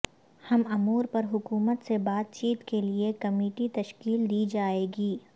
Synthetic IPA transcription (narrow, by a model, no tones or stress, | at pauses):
hɐmɐmuːɾpɐɾɦʊkuːmət̪sebaːt̪̚t͡ʃiːt̪keliekɐmiːʈit̪ɐʃkiːld̪iːd͡ʒaːeːɡiː